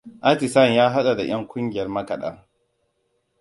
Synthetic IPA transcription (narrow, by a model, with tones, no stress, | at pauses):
ʔa˦ti˨sɐ˦˨njaː˦ɦa˦ɗa˨da̰˨j̰ɐ˦ŋkʷʊ˦ŋɡʲɪ˨jɐ˦rmɐ˦kɐ˨ɗa̰˦ŋ